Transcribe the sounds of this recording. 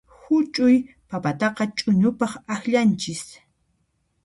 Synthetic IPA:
hʊt͡ʃʼʊj | papat̪ɑqɑt͡ʃʼʊɲʊpɑχaxʎant͡ʃɪs

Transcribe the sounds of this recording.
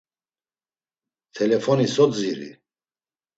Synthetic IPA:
t̪ʰɛlɛfʰɔnisɔd͡ziɾḭ

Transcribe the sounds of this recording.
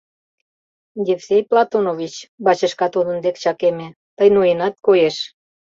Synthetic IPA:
d̪ʲefsejplˠɑt̪onovit͡ɕbɑt͡ɕəʃkɑt̪ud̪ə̆nd̪ekt͡ɕɑkemĕ | t̪əjnujenɑt̪̚kojeʃ

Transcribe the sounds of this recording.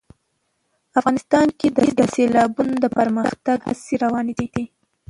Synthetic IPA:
afɣɑnɪst̪ɑnked̪əd̪əselɑbunod̪əpəɾməxt̪aɡha̰seɾawɑned̪id̪i

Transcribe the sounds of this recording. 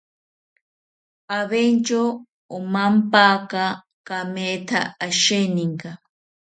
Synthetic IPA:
aβent͡ʃo | omam̩paka | kamet̪ʰa̰aʃeniŋɡa

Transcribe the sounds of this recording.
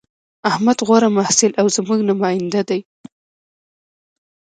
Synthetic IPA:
ahmad̪ɣwaɾamahsɪlʔawzəmuɡnamɑjɪnd̪ad̪aj

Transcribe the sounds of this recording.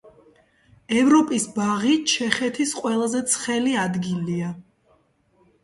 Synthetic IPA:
ɛvɾɔpʼisbaʁit͡ʃʰɛχɛt̪ʰisqʼwɛlˠazɛt̪sʰχɛliad̪ɡilia

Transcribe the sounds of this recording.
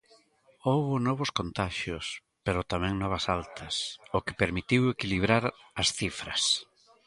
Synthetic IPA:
owβʊnɔβ̞ʊskont̪aʃʊs | peɾʊt̪amɛ̃ŋnɔβɐsalt̪ʰɐsʊkɪ̥peɾmit̪iwekiliβ̞ɾaɾɐsθifɾɐs

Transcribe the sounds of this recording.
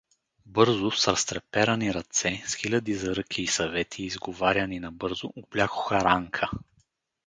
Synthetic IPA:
bɤɾzʊsɾɐst̪ɾɛpɛɾɐniɾɐt̪sɛsxilʲɐd̪izɐɾɤkʰʲiːsɐvɛt̪ʰiːzɡovaɾʲjɐninɐbɤɾzʊʔd̪̚blʲaxʊ̥xɐɾaŋkʰə

